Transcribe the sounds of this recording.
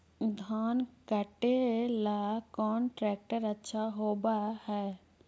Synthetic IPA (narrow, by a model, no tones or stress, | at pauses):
d̪ʱaːnkəʈelaːkɔːnʈɾɛːk̚ʈəɾətːʃʰaɦoːbahɛː